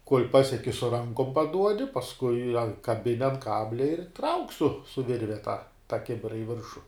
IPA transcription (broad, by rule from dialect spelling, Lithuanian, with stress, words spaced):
koːlʲ ˈpɑːsʲiɛkʲɪ sʊ ˈrɐŋkoːm pɐˈduɔdʲɪ pɐsˈkʊɪ ɐ kɐˈbʲɪnʲɪ ɐn ˈkɑːbʲlʲɛ ɪr trɐʊkʲ sʊ sʊ ˈʋʲɪrʲʋʲɛ tɑː tɐ ˈkʲɪbʲɪrɐ ɪ ˈʋʲɪrʃʊ